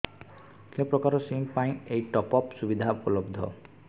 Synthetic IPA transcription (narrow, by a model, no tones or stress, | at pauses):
kiɔpɾɔkaɾɔsimpaĩejʈɔpɔpsubid̪ʱaupɔlɔbd̪ʱɔ̰